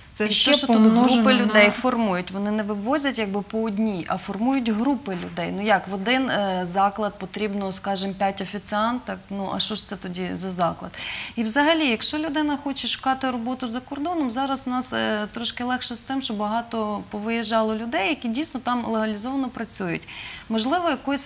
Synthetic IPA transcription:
iɛʃt͡ʃɔud̪ɦɾupɪlʲʊd̪ɛjfɔrmujʊtʲʋɔnɪnɛʋɪʋɔzʲɐtʲjɐɡ̚bɪpɔːdʲnʲiʔɐfɔrmujʊtʲɦɾupɪlʲʊ̰d̪ɛjnujɑkʋɔd̪ɪnzɑklˠɐd̪̚pɔt̪ɾʲibnɔɔskɑʒɪmpʲjatʲɐfʲit̪sɪɑnt̪ɐknuʔɐ̰ʃt͡ʃɔʃt̪sɛt̪ɔdʲizɐzɑklˠɐ̰d̪iʋzɐɦɐlʲijɐkʃt͡ʃɔlʲʊd̪ɪnɐxɔt͡ʃɛʃʊ̥kɑt̪ɪɾɔbɔt̪ʊzɐkɔrd̪ɔnɔmzɑɾɐznɑst̪ɾɔʃkɪlˠɛxʃɛst̪ɪmʃt͡ʃɔbɐɦɑt̪ɔpɔʋɪjeʒɑlˠɔlʲʊd̪ɛjːɐkʲidʲijsnɔt̪ɑmlˠeɦɐlʲizɔʋɐnɔpɾɐt͡sʲujʊ̰tʲmɔʒlˠɪʋɔjɐkɔsʲ

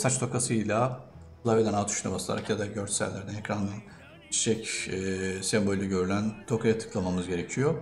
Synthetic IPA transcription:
sat͡ʃt̪o̞kasɯjlʲˠa | lˠaved̪ʲænat̪ʰy̥ʃnabaslˠa̰ɾa̰kjad̪aɟøɾt͡ʃsæ̰lʲːæɾd̪ɛnɛcɾand̪an | t͡ʃʃɛcɛsɛmbo̞lʲyɟø̞ɾylʲænt̪ʰo̞kʰajat̪ʰɯ̥klˠamamɯzɟe̞ɾe̞cʰijo

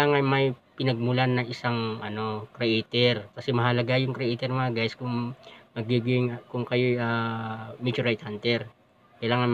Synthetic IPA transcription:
aːŋɐnmɐjpɪnɐɡ̚mʊlanːɐŋɪsaŋʔɐno̞kɾɛʔet̪ɛɾkɐsɛmɐɦɐlɐɡajʊŋkɾɛʔet̪ɛɾmɐŋaɡajɪskʊŋmɐɡiːɡɪŋkʊŋkɐjojʔamjut͡ʃʊɾɹajt̪̚hant̪ɛɾ | kɐjlaːŋɐn

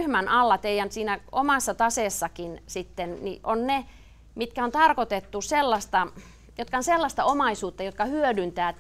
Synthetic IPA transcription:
hmænɑlːɑt̪eijænsiːnæomɑˑsːɑt̪ɑseːˑsːɑkinsit̪ːennḭʔʔonne | mit̪kæont̪ɑrkot̪et̪ːuselːɑst̪ɑ | jot̪kɑonselːɑst̪ɑomɑisuːt̪ːɑjot̪̚kɑhyødynt̪æː

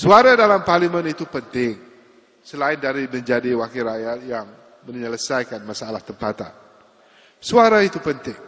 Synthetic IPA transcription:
suaɾadalamparlimə̃nit̪upənt̪ɪŋ | səlaɪndaɾimə̃ɲd͡ʒadiwakiɾajat̪̚jaŋ | mə̃ɲələsajkanmasaalaht̪əmpat̪a̰n | suaɾait̪upənt̪ɪŋ

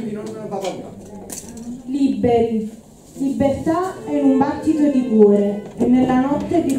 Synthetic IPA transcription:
libːert̪aɛumbat̪ːit̪od̪ikuːɾeɛnːelːanɔt̪ːed̪i

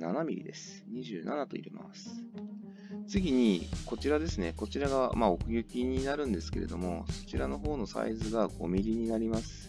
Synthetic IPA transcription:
nanamʲiɾʲḭd̪e̞sɨ̥ɲ̟iʑɨːna̰nat̪o̞ḭɾima̰sɨ̥ | t͡sɨɡʲiɲ̟iko̞t͡ɕiɾad̪e̞sɨne̞ko̞t͡ɕiɾaɡamao̞kɯ̟jʲɯ̟kʲiɲ̟inaɾɯ̟̃nd̪e̞sɨ̥ke̞ɾe̞d̪o̞mo̞so̞̥t͡ɕiɾano̞ɦo̞ːno̞sa̰izɨɡaɡo̞̰mʲiɾʲiɲ̟inaɾʲimasɨ̥

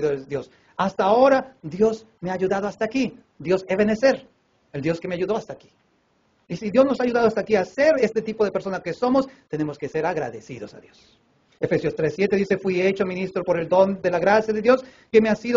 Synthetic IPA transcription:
ðoed̪jos | ast̪aːo̞ɾad̪jo̞s | meaːʝuðað̞oast̪aːki | d̪jo̞seβenese̞ɾ | eld̪joskemeaʝuðo̞ast̪aːki̥ | isiðjo̞zno̞saːʝuðaðoast̪aːkiase̞ɾest̪et̪ipo̞ðe̞peɾso̞naske̞so̞most̪e̞ne̞mo̞ske̞se̞ɾaɣɾa̰ðesḭðo̞sa̰ðjo̞s | efesjost̪ɾesːjet̪eðisefwie̞t͡ʃomĩnist̪ɾopo̞ɾe̞ld̪o̞nd̪elaɣɾasjaðeðjo̞s | kemeasiðo

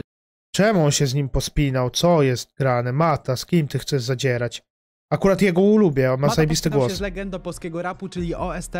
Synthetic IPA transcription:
t͡ʂɛmuɔnɕɛzɲimpɔspʲinawt̪sɔjɛst̪̚ɡɾanɛmat̪askʲimt̪ɘxt̪sɛʐzad͡ʑɛɾat͡ɕ | akuɾat̪jɛɡɔulubʲjɛɔnmazajɛbʲist̪ɨɡwɔszɛɡɛnd̪ɔpɔlskʲɛɡɔɾaput͡ʂɘlʲiʔɔɛs

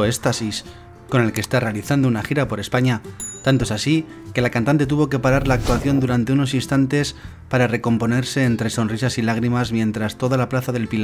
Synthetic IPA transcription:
est̪asis | ko̞ne̞lkest̪are̞aliθand̪ounaxiɾapo̞ɾe̞spaɲat̪ant̪oe̞sasi | ke̞lakant̪ant̪et̪uβ̞o̞ke̞paɾaɾlaːk̚t̪waθjo̞nd̪uɾant̪e̞uno̞sinst̪ant̪e̞s | paɾare̞ko̞mpo̞neɾse̞ːnt̪ɾe̞so̞nrisasilaɣ̞ɾimazmjẽ̞nt̪ɾast̪o̞ðalaplaθaðe̞lpil

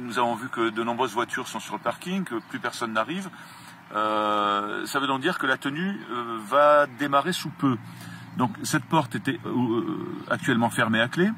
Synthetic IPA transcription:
nuzavɔ̃vykəd̪ənɔ̃bʁøzvwat̪ʰyʁsɔ̃syʁləpaʁkʲiŋkəplypɛʁsɔnːaʁiv | ø | savød̪ɔ̃ŋk̚d̪iʁkəlat̪ənyvad̪emaʁesupø | d̪ɔ̃ksɛt̪pɔʁt̪et̪ɛ | a̰k̚t̪ɥɛlmɑ̃fɛʁmeakle

